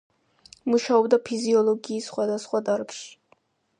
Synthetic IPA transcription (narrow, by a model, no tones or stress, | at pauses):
muʃaɔbd̪apʰiziɔlˠɔɡiːsχwad̪asχwad̪aɾkʃi̥